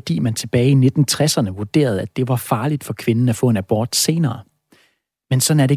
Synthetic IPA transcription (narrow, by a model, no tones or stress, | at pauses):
ɒd̥ḭːmænt͡sʰe̝b̥ɛːɪine̝d̥n̩t͡sʰʁasɐnəʋuɐd̥e̝̰ːɐð̞ˠæd̥e̝ʋɑ̈fɑ̈ːlid̥fɒ̽kʰʋe̝nn̩æfɔ̰̽ːe̝næb̥ɒ̰ːd̥se̝ːnɐː | mensɒ̽næɐɾe̝